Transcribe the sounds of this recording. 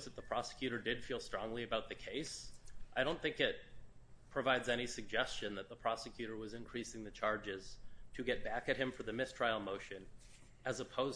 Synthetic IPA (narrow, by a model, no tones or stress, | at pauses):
zðɨt̪̚ðəpʰɹ̥ɑsɨ̥kʰj̥ʉɾə˞dɨd̥filˠstɹ̥ɔ̃ŋliɨbaʊt̪̚ðɨkʰeɪsʔaɪɾõʊ̃nθɪ̃ŋkɪt̚pʰɹ̥ɨvaɪdzɛɾ̃isɨɡ̚d͡ʒɛst͡ʃɨ̃nðɨt̪̚ðəpʰɹ̥ɑsɨkʰj̥ʉɾə˞wʌzɨ̃nkʰɹ̥isɪ̃ŋðɨt͡ʃʰɑɹd͡ʒɪz̥tʰɨɡɛt̚b̥ækɨt̚hɨ̃ɱfə˞ðɨmɪstʰɹ̥aɪl̩ˠmoʊʃɨ̃n | ɨzəpʰoʊz